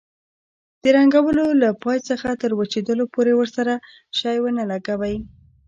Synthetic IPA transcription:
d̪̥əɾaŋɡawəlolapɑjt͡səxat̪əɾwat͡ʃed̪əlopoɾewəɾsaɾa | ʃɑjwənalaɡawaj

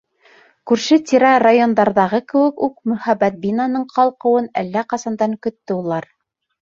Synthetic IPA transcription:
kʉɾʃɘt̪ʲiɾɑrajo̞nd̪ɑɾðɑʁɤkɘ̆wɘ̆kʉk̚mɵ̆hæbːæt̪̚bʲinɑnɤɴqɑlˠqɤ̆wɤnæ̰lːæqɑsɑnd̪ɑŋkɵ̆t̪ːɘulˠɑɾ

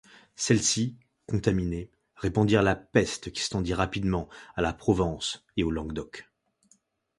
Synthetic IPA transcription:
sɛlsi | kɔ̃t̪amine | ʁepɑ̃d̪iʁlapɛst̪kʲi̥st̪ɑ̃d̪iʁapid̪mɑ̃alapχɔvɑ̃seolɑ̃ɡd̪ɔk

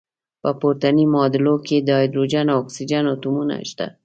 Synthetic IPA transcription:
pəpoɾt̪animɑd̪ɪloked̪əɑjd̪ɾod͡ʒanawɔksid͡ʒanawt̪umuna̰ʃt̪a̰

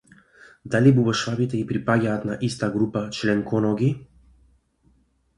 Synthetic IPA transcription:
d̪alibubɔʃvabit̪ɛipɾipaɟaːt̪naʔist̪aɡɾupat͡ʃlɛŋkʰɔnɔɡi

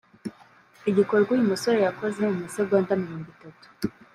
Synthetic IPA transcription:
iɟiko̞ɾɡwajumusoɾejakozeuumusoɡwandamiɾoːŋɡwitatu̥

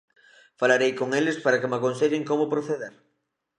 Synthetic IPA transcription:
falaɾejkoŋelɪspaɾakemakonseʎɪŋkomʊpɾoθeðeɾ

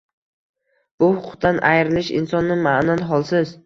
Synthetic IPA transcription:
b̥ʊhʊqʰʊ̥q̚t̪ʰanʔajɾɪlɪʃɪ̰nsɒnːɪmaʔnanɦɒlˠsɪz

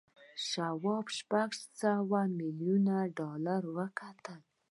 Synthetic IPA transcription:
ʃawɑbʃpaɡsawamiljunaɖɑlaɾwəkat̪əl

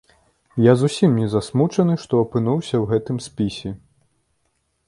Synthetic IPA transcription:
jazusʲimnʲɛzasmut͡ʂɐnɨʂt̪ɔɐpɨnuwsʲɐwɣɛt̪ɨmsʲpʲisʲɛ

